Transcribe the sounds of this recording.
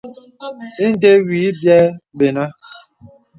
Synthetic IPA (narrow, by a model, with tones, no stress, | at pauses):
i˦n̩˦de˦wiː˨˦bjɛ˦ɓe˨na˦